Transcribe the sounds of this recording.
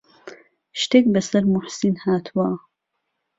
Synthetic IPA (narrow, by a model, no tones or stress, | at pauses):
ʃt̪eːk̚bɐsɐɾmʊħsinhaːt̪ʰuwa